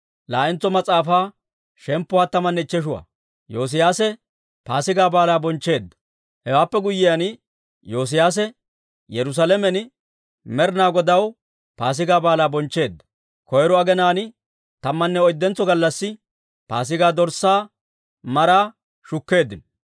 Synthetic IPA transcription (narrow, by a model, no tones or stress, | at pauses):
laːʔɪnt͡sɔmɐt͡sʼaːfaː | ʃɛmpːʊwaːt̪ːɐmɐnːɛɪt͡ʃːɛʃ̬ʊwa̰ | joːs̬ɪjaːsɛ | paːsɪɡaːbaːlaːbɔnt͡ʃːe̞ːd̪ːɐ̥ | hɛwaːpːɛɡʊjːɪjan | jo̞ːs̬ɪjaːs̬ɛ | jɛɾʊs̬alɛmɛn | mɛɾnaːɡɔd̪ɐw | paːs̬ɪɡaːbaːlaːbɔnt͡ʃːe̞ːd̪ːɐ̥ | kɔjɾɔɐɡɛnaːnɪ | t̪ɐmːɐnːɛɔjd̪ːɛnt͡sːɔɡɐlːɐsːɪ | pa̰ːs̬ɪɡaːd̪ɔɾsaː | mɐɾaː | ʃʊkːe̞ːd̪ːɪn